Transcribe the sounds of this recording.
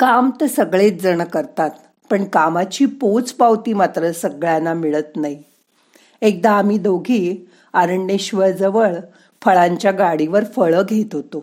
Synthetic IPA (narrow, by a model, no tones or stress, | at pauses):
kamt̪əsəɡɭet̪̚d͡zəɳ̃kəɾt̪at̪ | pəɳkamat͡ɕiːpot͡spaʋt̪iːmat̪ɾəsəɡɭjanamiɭət̪naɦi | ek̚d̪aːm̤iːd̪oɡʱiː | aɾəɳːeɕʋəɾd͡zəʋəɭ | fəɭaɲt͡ɕjaɡaɽiʋəɾfəɭəɡʱet̪ɦot̪o